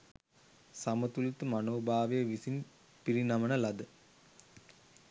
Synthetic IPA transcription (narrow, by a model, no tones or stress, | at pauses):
sɐmɐt̪ulit̪ːɨmɐnoːbaːʋɐjɐʋisin | piɾinɐmɐnɐlɐd̪ɨ